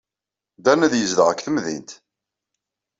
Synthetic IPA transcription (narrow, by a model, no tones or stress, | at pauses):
d̪ænæðjəzðəʁəkːθəmðḭnt̪